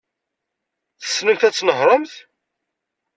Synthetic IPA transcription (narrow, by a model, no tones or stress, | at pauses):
θə̥sːnəmθæt͡sːnəɦɾˤəmθ